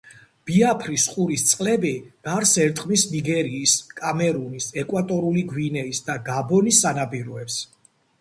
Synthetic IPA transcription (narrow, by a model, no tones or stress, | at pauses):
b̥iapʰɾisχʼuɾist̪sʼqʼlɛbiɡaɾsɛɾt̪ʼqʼmisniɡɛɾiːskʼamɛɾunisɛkʼwat̪ʼɔɾuliɡwinɛisd̪aɡabɔnisːanabiɾɔɛps